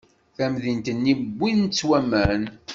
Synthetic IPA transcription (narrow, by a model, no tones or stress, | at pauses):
θæmðint̪ənːibʷːint͡sːwæmːæn